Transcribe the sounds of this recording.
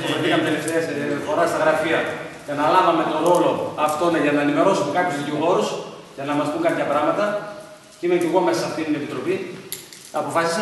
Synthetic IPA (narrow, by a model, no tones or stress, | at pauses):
ofeθikɐmet̪e̞left̪eɐsfo̞ɾɐst̪ɐɣɾɐfiɐ | cenɐlɐvɐme̞t̪o̞ɾo̞lo̞ɐft̪o̞neʝɐnɐenime̞ɾo̞sumekɐpçuzðiciɣo̞ɾus | ʝɐnɐmɐst̪uŋkɐpçɐpɾɐɣmɐt̪ɐ | ceimeceɣo̞me̞sɐsɐft̪int̪inepit̪ɾo̞pi | t̪ɐːpo̞fɐsi̥sɐ